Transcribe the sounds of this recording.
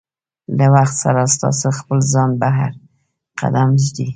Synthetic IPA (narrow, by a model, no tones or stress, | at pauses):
lawaxt̪saɾast̪ɑ̰soxpəlzɑnbaɦa̰ɾ | qa̰d̪amʒd̪i